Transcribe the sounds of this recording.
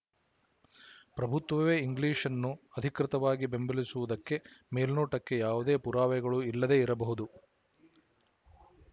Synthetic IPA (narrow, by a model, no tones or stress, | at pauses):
pɾɐbʱut̪ʋɐʋeːiŋɡliːʂɐnːuɐd̪ʱikɾit̪ɐʋaːɡibe̞mbɐlisuʋud̪ɐkːe̞meːlnoːʈɐkːe̞jaːʋud̪e̞ːpuɾaːʋɛɡɐɭuilːɐd̪e̞ːiɾɐbɐɦud̪u